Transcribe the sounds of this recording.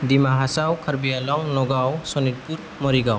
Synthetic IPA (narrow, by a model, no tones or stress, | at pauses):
dimaɦasawkʰaɾbijalɔŋnɔɡawsɔnit̚puɾ | mɔɾiɡaw